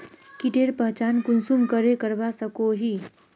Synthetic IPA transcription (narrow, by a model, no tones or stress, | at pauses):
kiʈeːɾpəɦt͡ʃaːnkʊnsumkəɾekəɾbasəkoɦiː